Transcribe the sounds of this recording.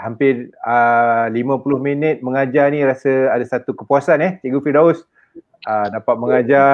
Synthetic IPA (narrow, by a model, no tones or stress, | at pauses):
hampɪrəlimãpulʊhminət̪̚məŋad͡ʒanĩɾasəadasat̪ukəpuasanɛht̪iɡufidaʊs | ədapat̪̚məŋad͡ʒa